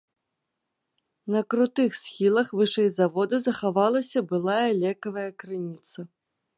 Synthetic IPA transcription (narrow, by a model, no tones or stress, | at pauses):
nɐkɾut̪ɨxsʲxʲilˠɐxvɨʂɛjzavɔd̪ɐzɐxavalˠɐsʲɐbɨlˠajɐlʲɛkɐvɐjɐkɾɨnʲit̪sɐ